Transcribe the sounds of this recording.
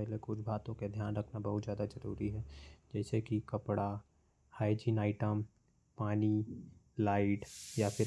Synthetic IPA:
ɛɦlekʊt͡ʃʰbʱaːt̪õked̪ʱjaːnɾɐkʰnabɐɦʊt̪zjaːd̪azɐɾuːɾiɦɛd͡ʒɛːsekikɐpɽa | haːɪd͡ʒinaːɪʈəm | paːnilaːɪʈjapʰɪɾ

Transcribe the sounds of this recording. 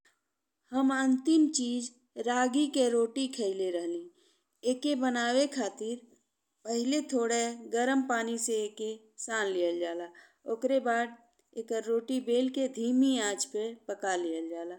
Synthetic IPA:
həmə̃nt̪ɪmt͡ʃiːd͡ʒ | ɾaːɡikeɾoːʈikʰəɪleɾəɦli | eːkebənaːwekʰaːt̪ɪɾ | pəɦɪlet̪ʰoːɽeɡəɾəmpaːniseeke | saːnlijəld͡ʒaːlaː | okɾebaːd̪̚ | eːkɾoːʈibeːlked̪ʱiːmiãːd͡ʒpepəkalijəld͡ʒaːlaː

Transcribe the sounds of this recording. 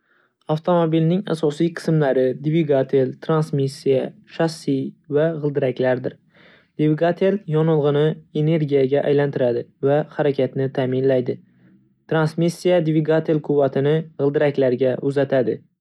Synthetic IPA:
aft̪ʰo̞mobilnɪŋa̰sɒsijqʰɨ̥smlaɾɪd̪viɡat̪ʰelt̪ʰɾansmisːija | ʃaχsivaʁɨlˠd̪ɪɾakʲlaɾd̪ɪɾ | d̪̥vɪɡat̪ʰeljɒnɨlˠʁɨnɪene̞ɾɡʲijaɡʲaʔa̰jlant̪ʰɪɾad̪ɪvahaɾakʲʰat̪nɪt̪ʰaːmɪnlajd̪ɪ | t̪ʰɾansmisːijad̪viɡat̪ʰelqʰʊvːat̪ʰɪnɪʁɨlˠd̪ɪɾakʲlaɾɡʲaʔʊzat̪ʰad̪ɪ

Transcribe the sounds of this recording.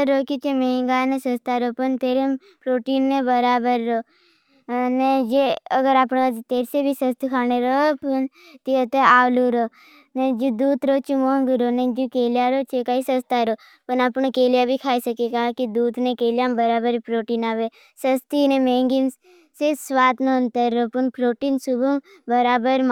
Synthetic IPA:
ɾoːkit͡ʃemẽːŋɡaːnesɐst̪aːɾopənt̪eːɾe | pɾoːʈiːnːebəɾaːbəɾːoː | ned͡ʒeəɡəɾaːpnat̪eːɾsebʱisəst̪ikʰaːneɾoːpən | t̪it̪eaːluːɾoː | ned͡ʒud̪uːt̪ɾoːt͡ʃumoːŋɡuɾonẽd͡ʒukeːlijaɾoːt͡ʃekaːisəst̪aɾoː | pənapnekeːljabʱikʰaːisɐkekaːkid̪uːd̪nekeːljaːmbəɾaːbəɾpɾoːʈiːnaːʋe | səst̪inemẽːŋɡin | seswaːt̪noənt̪əɾːopənpɾoːʈiːnsubum | bəɾaːbəɾm

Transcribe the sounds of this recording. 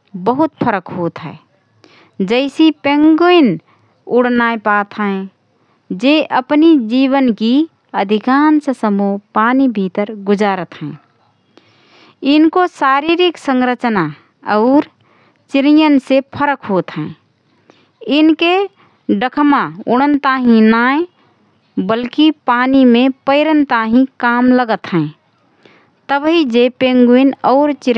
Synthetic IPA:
bəɦʊt̪pʰəɾəkɦoːt̪ɦɛ̰ː | d͡ʒəɪsipẽŋɡoɪn | ʊɽ̤naepaːt̪ɦəẽ | d͡ʒeʔəpnid͡ʒiːwənki | əd̪ʱikaːnsəsəmopaːnibʱit̪əɾɡʊd͡ʒaːɾət̪ɦɛ̃ | ɪnkosaːɾiɾiksə̃ŋɾət͡ʃna | ɔːɾ | t͡ʃɪɾijənsepʰəɾəkɦoːt̪ɦɛ̃ː | ɪnke | ɖəkʰmaʊɽ̃ənt̪aːɦĩnaːẽ | bəlkipaːnimẽpəɪɾənt̪aɦĩkaːmləɡət̪ɦɛ̃ | t̪əbɦid͡ʒepeŋɡinɔːɾt͡ʃɪɾ

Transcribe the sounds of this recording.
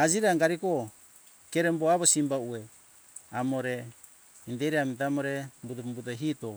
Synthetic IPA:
ad͡ʒiɾaŋɡaɾiko | keɾemboaβosimbaue | amoɾe | indeɾiamit̬aamoɾembut̬umbutoɦito

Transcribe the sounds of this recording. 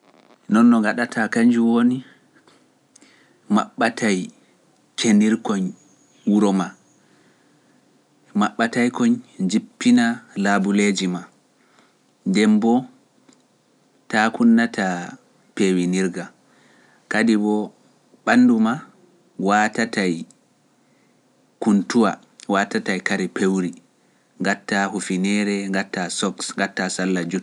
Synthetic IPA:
nɔnːɔŋɡaɗatʰakaɲd͡ʒuwoni | ma̰ɓːatʰaj | kʰeniɾkɔɲ | wuɾɔma | maɓːatajkɔɲd͡ʒipːinalabuled͡ʒima | ndɛmbɔ | takunːatʰa | pewiniɾɡa | kadibɔ | ɓanːduma | watatʰaj | kuntuwa̰ | watatajkaɾɛpewɾi | ŋɡatːahufinɛɾɛŋɡatːasɔksŋɡatːasalːad͡ʒut

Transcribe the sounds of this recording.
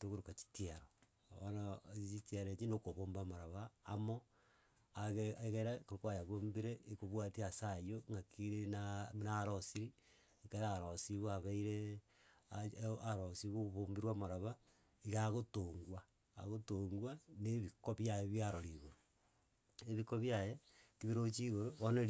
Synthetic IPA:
toɣoɾokat͡ʃi̥tiaɾo | onat͡ʃitaɾet͡ʃinokoβoːmbamaɾaβaːmo | aɣeɣeɾakokwajaβombiɾeʔikoβwatiasajoŋɡakiɾenanaɾosiɾi | ikeɾaɾosiβoaβaiɾe | aaɾosiβoβombiɾwamaɾaβa | iɣaɣotoŋɡwa̰ː | ɣotoŋɡwaneβikoβjajeβjaɾoɾiɣoɾo | eβikoβjajekiβiɾot͡ʃiɣoɾoβone

